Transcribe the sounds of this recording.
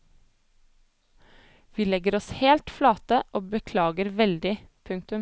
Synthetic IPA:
ʋiːlɛɡəɾɔsheːlt̪flɑːt̪əʔoːbəkʰlɑːɡəɾʋɛld̪ɪpʰʉŋk̚t̪ʉm

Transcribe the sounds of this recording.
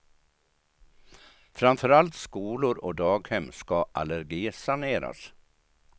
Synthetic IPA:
fɾamfœɾalt̪skuːlʊɾɔd̪ɑːɡhɛmːskaʔaləɾɡiːsaneːɾa̰s

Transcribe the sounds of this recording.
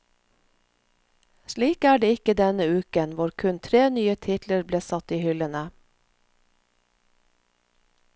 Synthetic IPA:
ʃliːkæːɖeːɪkəd̪ɛnəʉːkənʋʊɾkʰʉnt̪ʰɾeːnyːət̪ʰɪt̪ləɾbleːsɑt̪iːhʏlənə

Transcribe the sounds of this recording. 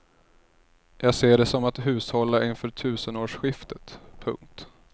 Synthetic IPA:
jɑːɡseːɖɛsɔmat̪ɦʉ̟ːshɔlːaʔɪnfœːʈʰʉ̟ːsənoːʂɧɪft̪ət̪pʰɵ̰ŋk̚t̪

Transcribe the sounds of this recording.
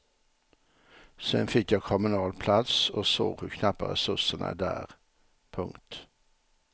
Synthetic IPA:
sɛnfɪkjɑːkʰɔmʉnɑːlpʰlɑt̪soːso̰ːʁʉːkʰnɑpəʁɛsʉsənʔə̰d̪æ̰ːʁ | pʰʊŋt̪

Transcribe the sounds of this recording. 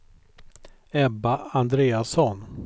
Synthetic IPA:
ɛbaand̪ɾeːasɔn

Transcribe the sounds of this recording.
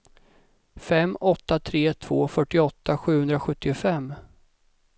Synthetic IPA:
fɛmːɔt̪ːat̪ʰɾeːt̪ʰv̥oːfœʈːɪɔt̪ːaɧʉ̟ːhɵnd̪ɾaɧɵt̪ːɪʊfɛmː

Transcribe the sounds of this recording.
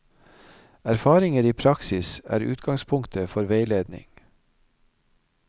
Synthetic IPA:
æɾfɑːɾɪŋəɾiːpʰɾɑksɪsæ̰ːɾʉ̰ːt̪ɡɑŋspʰʊŋkt̪ʰəfɔɾʋeɪleːd̪nɪ̰ŋ

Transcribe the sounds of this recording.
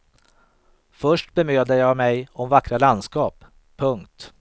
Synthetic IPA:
fœʂʈbɛmøːd̪əjɑːmɛjɔmvakɾaland̪skɑːpʰː | ɵŋkt̪

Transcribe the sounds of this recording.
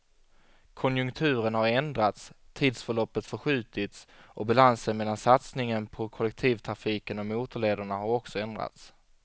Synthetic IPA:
kʰɔnjɵŋkt̪ʰʉ̟ːɾənhaɾɛnd̪ɾat̪st̪ʰiːd̪sfœɭɔpːət̪fœɧʉ̟ːt̪ɪt̪sʔɔbalansənmɛlːansat̪snɪŋənpʰɔkʰɔlɛk̚t̪ʰiːvt̪ʰɾafiːkənɔmuːt̪əɭeːd̪aɳahaɾɔksɔɛnd̪ɾa̰t̪s

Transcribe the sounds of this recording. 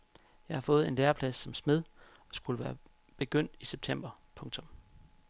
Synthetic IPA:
jɑ̈ɪhɑ̈fɔ̽ːð̞̩ˠe̝nleːɐpʰlæsːɒ̽msme̝ð̞ˠ | ɒ̽sɡ̥uləʋæːɐ | b̥e̝ɡ̥øn̰d̥iseb̥̚t͡sʰem̰b̥ɐpʰɔ̽ŋt͡sʰɔ̽m

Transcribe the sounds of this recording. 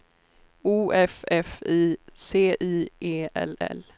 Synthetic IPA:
uːʔɛfɛfiːseːʔiːʔeːʔɛ̰lɛ̰l

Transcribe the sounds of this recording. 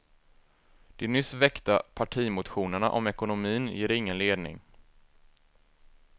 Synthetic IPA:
d̪̥ɪnʏsvɛkt̪apʰaʈʰiːmʊt̪ɧuːnəɳa̰ʔɔmɛkʊnʊmiːnjeːɾɪŋːənleːd̪nɪ̰ŋ

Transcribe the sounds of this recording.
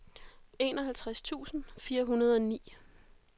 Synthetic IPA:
e̝nɒ̽ɦælt͡sʰʁast͡sʰṵːsn̩fiːɐɦunɐð̞ˠɒ̽nḭː

